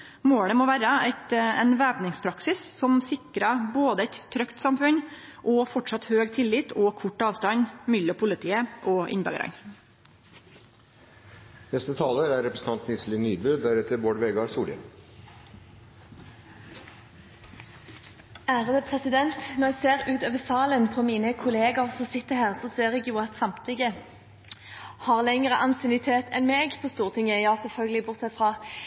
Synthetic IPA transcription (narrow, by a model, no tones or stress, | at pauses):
moːɽəmoːʋæːɾəɛɪt̪ɛnʋæːpnɪŋspʰɾɑksɪssɔmsɪkɾəboːd̪əɛt̪tʰːɾœkt̪sɑmfʉɲ | ʔɔːfɔʈʂɑt̪høːɡt̪ʰɪlːɪt̪ʰɔkʰʊʈːɑːʋst̪ɑɲmʏlːɔpʰʊlɪt̪ʰiːəʔoːʔɪ̰nbø̰ɡ̰ɾɑ̰ŋ | nɛst̪ət̪ʰɑːləɾæɾɛpɾəsn̩t̪ɑnt̪nɪslɪnyːbʉːd̪æɾɛt̪əɾboːɖʋeːɡɑɾsuːlə̰ | æːʁəd̪əpʰʁɛsɪd̪ɛnt̪nɔʁjæɡseːʁʉːt̪øːʋəsɑːlənpʰomiːnəkʰʊleːɡɑʁsɔsɪt̪ːəhæːʁsɔseːʁɛɡjuːɑt̪sɑmt̪ʰlɪɡə | hɑːʁlɛŋəʁəʔɑnsɪnʏt̪ʰeːt̪ɛnmeːɡpʰɔst̪uːʁt̪ʰɪŋjæɪjɑːsɛlfœlɡəlɪbʊʁt̪sɛfʁɑː